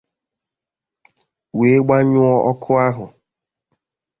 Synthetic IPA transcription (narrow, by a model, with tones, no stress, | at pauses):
we˨˦ɡ͡ba˦ɲʊ˦ɔ˦ʔɔ˦kʰʊ˦a˦ɦʊ˨